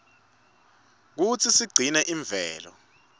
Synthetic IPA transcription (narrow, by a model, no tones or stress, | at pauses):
k̬ut͡sʰisiɡ͡ǀʱinɛʔiɱb̪vʱɛːlɔ̰